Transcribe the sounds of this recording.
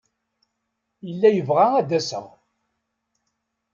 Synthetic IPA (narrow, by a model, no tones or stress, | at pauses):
jəlːæjəvʁaæd̪æsə̰ʁ